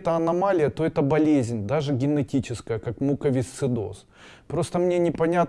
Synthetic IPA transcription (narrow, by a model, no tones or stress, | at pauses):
t̪əɐnɐmalʲɪjət̪oɛt̪əbɐlʲezʲnʲd̪aʐɨɡʲɪnɨtʲit͡ɕɪskəjəkakmukəvʲɪst̪sɨd̪o̞̰s | pɾo̞st̪əmnʲe̞nʲɪpɐnʲat̪